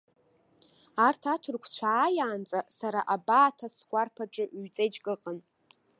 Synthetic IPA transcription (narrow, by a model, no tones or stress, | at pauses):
artʰatʰʊrkʷʰt͡ɕʷʰaːjaːnt͡sʼasaɾaʔabaːtʰasɡʷʼarpʰaʈ͡ʂʼaʔɥt͡sʼejd͡ʒʼkʼɨqʼən